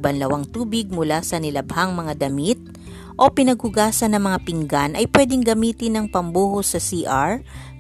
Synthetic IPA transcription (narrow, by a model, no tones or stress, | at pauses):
bɐnlɐwaŋt̪uːbɪɡ̚mʊlasɐnɪlɐbhaŋmɐŋad̪ɐmit̪̚ | ʔo̞pɪnɐɡ̚hʊɡaːsɐnːɐŋmɐŋapɪŋɡanʔɐjpwɛːd̪ɪŋɡɐmiːt̪ɪnɐŋpɐmbuːhosɐsiːʔaɹ